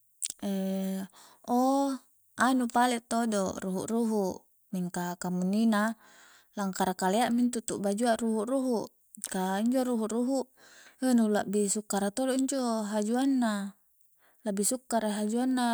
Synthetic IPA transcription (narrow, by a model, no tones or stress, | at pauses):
e | o | anupalɛʔt̪odoruɦṵʔruɦuʔ | miŋkakamunːina | laŋkaɾakaleaʔmint̪ut̪uʔbad͡ʒuaʔruɦuʔruɦuʔ | kaiɲd͡ʒoɾuɦuʔruɦuʔ | ənulaʔbisukːaɾat̪oloiɲd͡ʒoɦad͡ʒuanːa | laʔbisukːaɾeɦad͡ʒuanːa